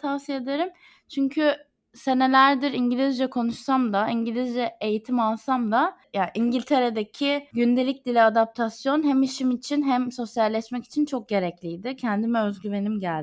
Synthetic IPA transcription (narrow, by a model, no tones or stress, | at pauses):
t̪ʰafsijed̪eɾim | t͡ʃʰyɲcʰy | se̞ne̞lʲæɾd̪iɾiɲɟilʲizd͡ʒɛkʰo̞nuʃsamd̪aiɲɟilʲizd͡ʒɛejit̪ʰimalˠsamd̪ajaʔiɲɟilʲt̪ʰe̞ɾed̪ecʰiɟynd̪e̞lʲic̚d̪ilʲɛad̪ap̚t̪ʰasjo̞nɦæmiʃimit͡ʃʰinɦæmso̞sjalʲːɛʃmɛci̥t͡ʃʰint͡ʃʰo̞k̚ɟe̞ɾɛclʲijd̪ɪcʰɛnd̪imɛøzɟyve̞nimɟælʲ